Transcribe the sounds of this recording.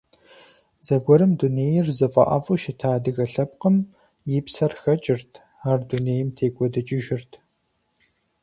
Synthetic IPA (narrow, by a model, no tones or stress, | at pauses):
z̥ɐɡʷɔɾɨmduneːjɪrzɨfʼɐ̰ʔɐ̰fʼɨʃɪtʰaːdɨɣɐɬɐp̚qəm | jɪpsɐrxɐt͡ʃʼɪrtʰ | aːrduneːjɪmtʰeːkʷʼɔdɨt͡ʃʼɪʒɪrtʰ